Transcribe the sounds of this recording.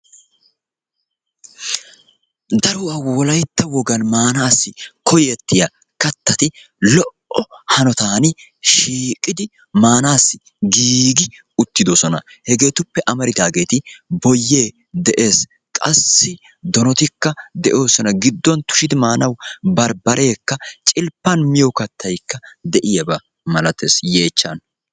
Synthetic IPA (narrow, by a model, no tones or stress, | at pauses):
d̪ɐɾʊawɔlɐjt̪ːɐwɔɡɐnmaːnaːsːɪkɔjɛt̪ːɪja | kɐt̪ːɐt̪ɪ | lɔʔɔhɐnɔt̪aːnɪ | ʃiːkʼɪd̪ɪ | maːnaːsːɪ | ɡiːɡɪ | ʊt̪ːɪd̪osɔnɐ̰hɛɡe̞ːt̪ʊpːɛʔɐmɐɾɪd̪aːɡe̞ːt̪ɪbɔjːe̞ː | d̪ɛʔe̞ːs | kʼɐ̰sːɪ | d̪ɔnɔt̪ɪkːɐd̪ɛʔo̞ːsɔnɐɡɪd̪ːɔnt̪ʊ̥ʃɪd̪ɪmaːnɐwbɐɾbɐɾʔe̞ːkːɐt͡ʃʼɪlpːɐnmɪjokɐt̪ʰːɐjkːɐd̪ɛʔɪjɐbɐ | mɐlɐt̪e̞ːsje̞ːt͡ʃːɐn